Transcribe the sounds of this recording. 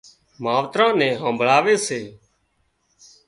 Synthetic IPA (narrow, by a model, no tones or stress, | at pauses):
maːʋt̪ɾãːnɛ̃ːɦə̃ːmbʱɭaːʋeːseː